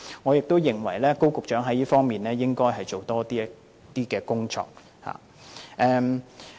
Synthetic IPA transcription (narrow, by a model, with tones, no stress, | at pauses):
ŋɔː˨˧jɪ˨k̚t̪o˥wjɪ˨˩ŋwɐ̰˨˩jlɛː˥ko˥wkʊ˨k̚t͡ʃœː˨˥ŋɦɐ˨˥jiː˥fɔː˥ŋmiː˨˩nlɛː˥jɪ˥ŋkɔː˥jɦɐ˨jt͡ʃo˨wt̪ɔː˥t̪iː˥ | t̪iː˥kɛː˨˧kʊ˥ŋt͡ʃɔ̰ː˧˥k̚ | ha̰ː˨ | ʔɛː˧m